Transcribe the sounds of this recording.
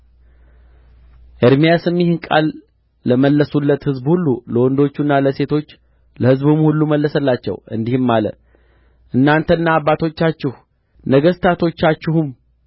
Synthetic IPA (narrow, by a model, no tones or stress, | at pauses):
ʔəɾmijasɨmːɪhɪnkʼa̰lː | əməlːəsulːət̪hɨzbhulːuləwɔnd̪o̞t͡ʃːunːaləse̞t̪ʰo̞t͡ʃː | ləhɨzbumhulːuməlːəsəlːat͡ʃːɛ̰wɨ̰nd̪ihmːalə̰ | ʔɨnːant̪ʰənːaːβːat̪ʰo̞t͡ʃːat͡ʃːɪhu | nəɡəst̪ʰat̪ʰo̞t͡ʃːat͡ʃːɪhum